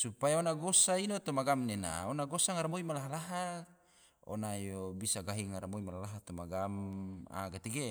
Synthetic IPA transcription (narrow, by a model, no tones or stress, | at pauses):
supajaonaɡosainot̪ɔmaɡamnena̰onaɡosaŋaɾamoimalaɦalaɦa | o̰najobisaɡaɦiŋaɾamoimalalaɦat̪omaɡama̰ɡat̪eɡe